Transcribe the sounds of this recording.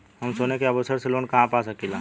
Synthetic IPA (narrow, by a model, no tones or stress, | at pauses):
ɦəmsoːnekeəbəsəɾseloːnkɐɦãpaːsəkilaː